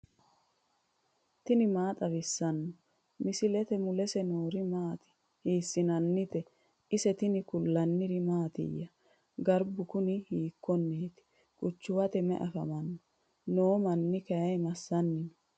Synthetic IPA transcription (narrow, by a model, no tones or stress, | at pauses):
t̪ɪnɪmaːt̪ʼɐβɪsːɐnːɔ | mɪsɪlɛt̪ɛmʊlɛsɛnoːɾɪmaːt̪ɪ̥ | hiːsːɪnɐnːɪt̪ɛ | ʔɪsɛt̪ɪnɪkʊlːɐnːɪɾɪmaːt̪ɪ̰jːɐ | ɡɐɾbʊkʊnɪhiːkːɔnːeːt̪ɪ̥ | kʼʊt͡ʃːʊwɐt̪ɛmɛ̰ʔɐfɐ̰mɐnːɔ | noːmɐnːɪkɐjɐjmɐsːɐnːɪnɔ